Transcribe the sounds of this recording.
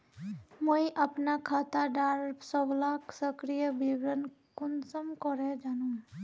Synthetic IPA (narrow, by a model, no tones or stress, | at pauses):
moiʔɐpnakʰaːt̪aɖaːɾbsɔblaksəkɾijəbiwɾən | kʊnsəmkɔɾed͡ʒaːnũ